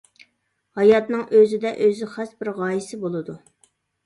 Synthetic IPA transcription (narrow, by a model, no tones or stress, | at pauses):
hɑjɑt̪nɨŋʔøzɪd̪ɛʔøzɪχæsbɪɾʁɑːjɪsɪbolˠɨd̪u